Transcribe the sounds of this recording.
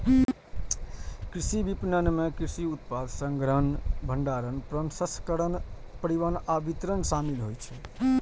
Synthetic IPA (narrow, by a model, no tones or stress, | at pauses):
kɾisibipnənmekɾisiut̪pad̪ʱsəŋɡɾənbʱəɳɖaɾənpɾənsəskəɾən | pəɾiʋənabit̪ɾənsamilɦojt͡ʃʰɛ